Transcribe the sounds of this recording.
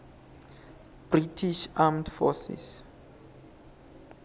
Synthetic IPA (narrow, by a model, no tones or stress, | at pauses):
b̥ritʰiʃamdfɔsḭs